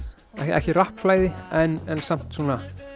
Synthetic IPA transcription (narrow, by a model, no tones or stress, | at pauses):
ɛɛ̰hcɪrahpflaːjðɪɛnɛnsam̥t̪suːna